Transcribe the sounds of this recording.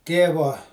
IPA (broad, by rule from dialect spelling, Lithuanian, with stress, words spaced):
ˈtʲeːʋoː